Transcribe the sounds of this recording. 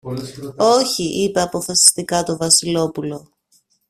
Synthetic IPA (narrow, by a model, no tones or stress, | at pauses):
o̞çiʔipe̞ɐpo̞fɐsi̥st̪ikɐt̪o̞vɐsilo̞pulo̞